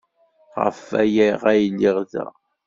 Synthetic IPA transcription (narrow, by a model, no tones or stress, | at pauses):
ʁə̰fæ̰jæʁæjlːiʁðæ̰